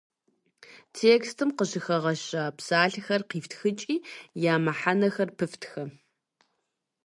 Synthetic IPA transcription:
tʰeːkstʰɨmqəɕɪxɐʁɐɕɐpsaːɬxɐrqiːftʰxɨt͡ʃʼiːjaːmɐħanɐxɐrpʰɨftʰxɐ

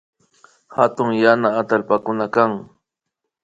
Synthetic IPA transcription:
hat̪ʊŋjanaːt̪alpakʊnakaŋ

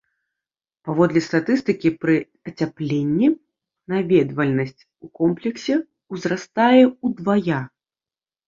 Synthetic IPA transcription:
pavɔd̪lʲɛst̪at̪ɨst̪ɨkʲipɾɨ | ɐt͡sʲaplʲenʲːi | navʲɛd̪vɐlʲnɐsʲt͡sʲ | ukɔmplʲɛksʲɛ | wzɾast̪ajɛud̪vaja

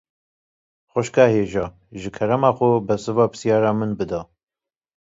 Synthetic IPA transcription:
xʷɛʃkɑːheːʒɑː | ʒɨkʰɛɾɛmɑːxʷʊbɛsɨvɑːpʰɨ̥sijɑːɾɑːmɨnbɨd̪ɑː

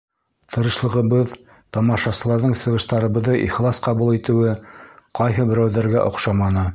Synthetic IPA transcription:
t̪ʰɤ̆ɾɤ̆ʃlˠɤ̆ʁɤ̆βɤð | t̪ɑmɑʃɑsɤ̆lˠɑɾðɤɴsɤ̆ʁɤ̆ʃt̪ɑɾɤ̆βɤ̆ðɤʔiχlˠɑsqɑβulˠit̪ɘ̆wɘqɑjɦɤbɘ̆ɾæwðæɾɡæʔŏ̰qʃɑmɑnɤ

